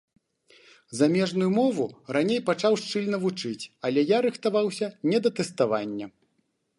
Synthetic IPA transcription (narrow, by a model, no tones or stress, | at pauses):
zamʲɛʐn̪ujumɔvuranʲejpat͡ʂawʂt͡ʂɨlʲnɐvut͡ʂɨt͡sʲɐlʲɛjaɾɨxt̪avawsʲɐnʲɛd̪ɐt̪ɛst̪avanʲːɐ